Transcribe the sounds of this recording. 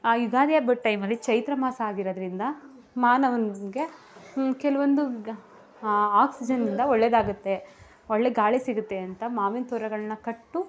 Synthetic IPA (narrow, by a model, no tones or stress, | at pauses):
aːjuɡ̪aːd̪ijɐbɐʈʈːɐjmɐlːit͡ʃɐjt̪ɾɐmaːsɐːɡiɾod̪ɐɾind̪ɐ | maːnɐʋɐnɡe̞ | kɛlɐʋond̪u | aːksid͡ʒɐnːind̪ɐɔɭːed̪aːɡut̪ːe̞ | oɭːeɡaːɭisiɡut̪ːe̞ɐnt̪ɐmaːʋint̪ʰɔːɾɐɡɐɭɐnːɐkɐʈːu